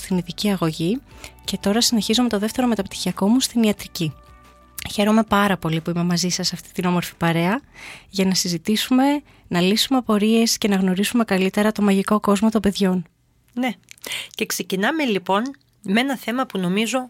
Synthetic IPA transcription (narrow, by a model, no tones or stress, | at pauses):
st̪iniðiciɐɣo̞ʝice̞t̪o̞ɾɐsine̞çizome̞t̪o̞ðeft̪e̞ɾo̞me̞t̪ɐpt̪i̥çiɐko̞must̪iniɐt̪ɾici | çe̞ɾo̞me̞pɐɾɐpo̞lipuime̞mɐzisɐsɐft̪i̥t̪ino̞mo̞ɾfi̥pɐɾe̞ɐʝɐnɐsizit̪isume̞ | nɐlisumeɐpo̞ɾie̞sce̞nɐɣno̞ɾisume̞kɐlit̪e̞ɾɐt̪o̞mɐʝiko̞ko̞zmo̞t̪o̞mbe̞ðʝo̞n | nece̞kse̞cinɐme̞lipo̞n | mee̞nɐθe̞mɐpuno̞mizo̞